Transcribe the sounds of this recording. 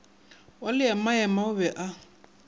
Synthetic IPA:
walɪamajɛmaʊβɛʔa

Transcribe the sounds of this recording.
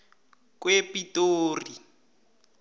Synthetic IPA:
kwepitoːri

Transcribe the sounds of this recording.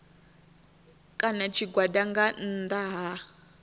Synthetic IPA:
kʼanat͡ʃʰiɡwadaŋɡan̩d̪aɦa

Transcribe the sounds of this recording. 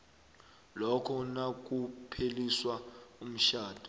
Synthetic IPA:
lɔkʰɔnak̬ʼupʰeliswaum̩ʃaːd̥ʱɔ̥

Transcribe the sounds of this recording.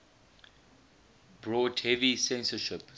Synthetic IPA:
b̥ɹɔːdhɛvisɛ̃nsəʃɪp

